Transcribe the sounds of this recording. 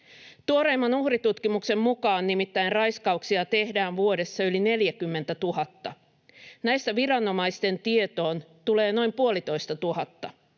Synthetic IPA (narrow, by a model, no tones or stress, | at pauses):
t̪uoɾe̞ːmːɑnuhrit̪ut̪k̟imukse̞mmukɑːnːimit̪ːæjnrɑjskɑuksiɑt̪e̞hdæːnʋuo̞de̞sːɑyline̞ljækymːe̞nt̪æt̪uɦɑt̪ːɑ | næjst̪æʋiɾɑnːo̞mɑjst̪e̞nt̪ie̞t̪o̞ːnt̪ule̞ːno̞jmpuolit̪o̞jst̪ɑt̪uɦɑt̪ːɑ